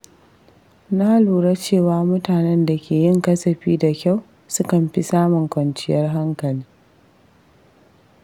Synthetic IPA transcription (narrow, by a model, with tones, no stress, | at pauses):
na˦luː˨ɽa˦t͡ʃeː˦˨waː˦mʊ˦taː˨nɛ˦nda˨kʲʰeː˨jɪ˦ŋkɐ˦sɐ˨ɸiː˦da˨kʲa˦˨w | sʊ˦kɐ˨mɸi˦saː˦mʊ˨ŋkʷɐ˨nt͡ʃɪ˦jɐ˦rɦa˦ŋkɐ˨liː˦